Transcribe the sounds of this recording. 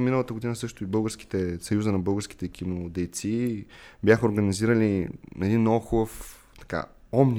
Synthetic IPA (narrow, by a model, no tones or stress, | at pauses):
minəlˠət̪əɡod̪inəsɤʃt̪ʊibɤlˠɡəɾsk̟i̥t̪ɛsɐjuzənɐbɤlˠɡəɾski̥t̪ɛkʲimod̪ɛjt̪sibjaxəoɾɡəniziɾəlinɛd̪inɔxubəf | t̪ɐ̥ka̰ | ɔmni